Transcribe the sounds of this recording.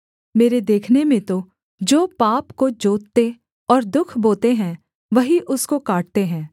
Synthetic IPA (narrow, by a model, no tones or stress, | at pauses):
meːɾed̪eːkʰnemẽt̪o | d͡ʒoːpaːpkod͡ʒoːt̪t̪e | ɔːɾd̪ʊkʰboːt̪eɦɛ̃ | ʋɐɦiʔʊskokaːʈ̚t̪eɦɛ̃ː